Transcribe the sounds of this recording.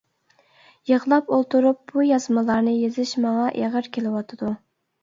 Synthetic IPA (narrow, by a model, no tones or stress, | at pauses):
jəʁlˠɑpolˠt̪uɾup̚bujɑzmɨlˠɑɾnɨjezɪʃmɑŋɑʔeʁəɾkʲʰelɪwɑt̪ʰɨd̪u